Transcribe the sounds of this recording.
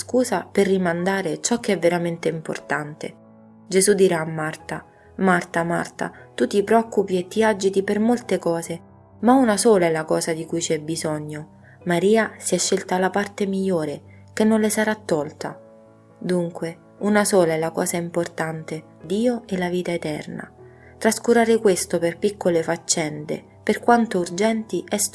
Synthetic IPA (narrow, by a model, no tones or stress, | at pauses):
skuːzaperːimand̪aːɾet͡ʃɔk̟ːeɛvːeɾament̪eimpo̰rt̪ant̪ḛ | d͡ʒezud̪iɾaːmːart̪a | mart̪ama̰rt̪a̰t̪ut̪ipɾeɔkːupiet̪ːiad͡ʒit̪ipermolt̪ekɔːze | maunasoːlaɛlakɔːzad̪ikujt͡ʃɛbːizɔɲːo | maɾiːasiɛʃːelt̪alapart̪emiʎːoːɾe | k̟enːonlesaɾat̪ːɔlt̪a̰ | d̪uŋkwe | unasoːlaɛlakɔːzaimport̪ant̪e | d̪iːoɛlːaviːt̪aet̪ɛ̰rna̰ | t̪ɾaskuɾaːɾekwest̪operpikʰːolefat͡ʃːɛnd̪ḛ | perkwant̪ourd͡ʒɛnt̪iʔɛs